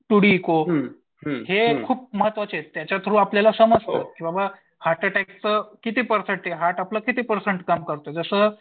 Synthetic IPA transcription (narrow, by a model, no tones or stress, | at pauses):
ʈuɽiːko | hekʰuːp̚məɦət̪ːʋat͡set̪jat͡ɕjat̪ʰɾũːapljalasəməd͡zo̰t̪̚kibaba | haʈəʈɛkst͡səkit̪iːpəɾseɳʈeɦaʈapləːkit̪iːpəɾseɳʈkamkəɾt̪od͡zəsəː